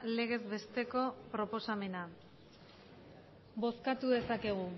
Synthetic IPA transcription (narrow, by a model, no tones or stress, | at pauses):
le̞ɣ̞e̞zβe̞st̪e̞ko̞pɾo̞po̞same̞na | bo̞skat̪uðe̞sake̞ɣ̞u